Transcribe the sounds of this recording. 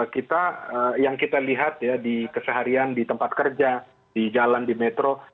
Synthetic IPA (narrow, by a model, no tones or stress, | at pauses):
kit̪aəjaŋkit̪aliɦat̪̚jadikəsəɦaɾiandit̪əmpat̪̚kərd͡ʒa | did͡ʒalandimɛt̪ɾo